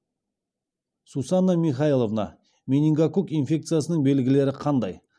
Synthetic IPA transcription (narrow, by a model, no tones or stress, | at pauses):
susɑnːamʲiχɑjilˠovnɑ̰ | mʲenʲiŋɡakukinfʲe̞k̚t̪sɨjasənəɴbe̞lɡʲɪle̞ɾɪqʰɑnd̪ɑj